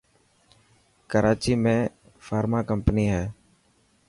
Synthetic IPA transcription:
kəɾaːt͡ʃiːmẽː | faːɾmaːkəmpniːɦɛː

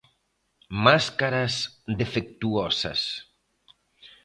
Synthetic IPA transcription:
maskaɾasd̪efek̚t̪uɔsa̰s

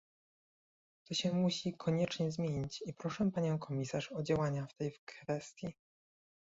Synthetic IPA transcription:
t̪ɔɕɛmuɕikʰɔɲɛt͡ʂɲɛzmʲjeɲit͡ɕipɾɔʂɛpaɲɔ̃w̃kʰɔmʲisaʂɔd͡ʑawaɲaft̪ɛjkfɛst̪ʲji

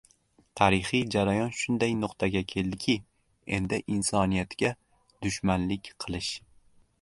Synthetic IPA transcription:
t̪ʰaɾɪχɪjd͡ʒaɾajɒnʃʊnd̪ajnʊqt̪ʰaɡʲakʲʰe̞ld̪ɪkʲʰɪ | e̞nd̪ɪʔɪnsɒnijat̪ɡʲa | d̪̥ʊʃmanlɪkʲqʰɨlˠɪʃ

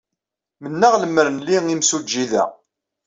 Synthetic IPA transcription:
mənːaʁləmːəɾənliŋimsud͡ʒːiðæ̰

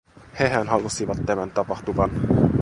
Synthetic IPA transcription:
heɦænɦɑlusiʋɑt̪ːæmænt̪ɑpɑht̪uʋɑn

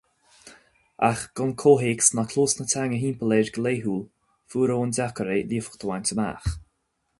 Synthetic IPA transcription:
a̰xɡ̥ʊnkʰoːɦeːksnakʰloːsnətʰaŋəɦiːmpəleːɹɡəleːɦuːl | fuːɾoːndakəɾeːliəfə̥xt̪ʰəwantəma̰ːx

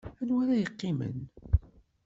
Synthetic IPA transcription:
ænwæɾajəqːɪmə̰n

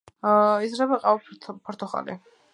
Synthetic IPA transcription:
izɾɛbaqʼaɔt̪ʰpʰɔɾt̪ʰɔχa̰lḭ

